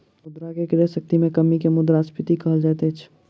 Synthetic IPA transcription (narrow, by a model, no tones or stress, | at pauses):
mʊd̪ɾakekɪɾeʃək̚t̪imẽkɐmikemʊd̪ɾaspɪt̪ikɐɦəld͡ʒaːt̪et͡ʃʰ